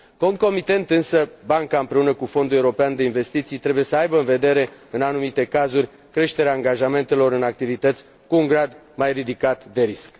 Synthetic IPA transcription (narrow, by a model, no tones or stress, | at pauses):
ko̞ŋko̞mit̪e̞nt̪ɨnsəbaŋkaɨmpɾe̞unəkufo̞nd̪ule̞uɾo̞peand̪e̞inve̞st̪it̪sijt̪ɾe̞buje̞səajbəɨnve̞d̪e̞ɾe̞ɨnanumit̪e̞kazurʲ | kɾe̞ʃt̪e̞ɾeaːŋɡaʒame̞nt̪e̞lo̞ɾɨnak̚t̪ivit̪ət̪sʲ | kuːŋɡɾad̪ | majrid̪ikat̪d̪e̞ɾisk